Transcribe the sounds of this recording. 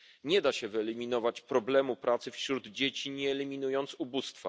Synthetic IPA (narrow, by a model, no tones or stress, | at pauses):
ɲɛd̪aɕɛvɘɛlʲimʲinɔvat͡ɕpɾɔblɛmupɾʔat̪sɘfɕɾud̪d͡ʑet͡ɕiɲɛːlʲimʲinujɔnt̪subust̪fa̰